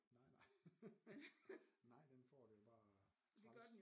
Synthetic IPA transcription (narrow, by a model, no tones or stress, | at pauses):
nɑɪ̰nɑ̈ɪ | nɑ̈ɪ̰d̥enfɒ̰ːd̥ujob̥ɑ̈ː | dɡ̥d